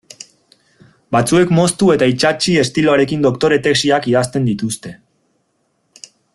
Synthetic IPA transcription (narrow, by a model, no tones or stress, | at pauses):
bat͡sue̞kmo̞st̪ue̞t̪ait͡ʃat͡ʃie̞st̪iloaɾe̞kind̪o̞kt̪o̞ɾe̞t̪e̞ksiakiðast̪e̞nd̪it̪ust̪e̞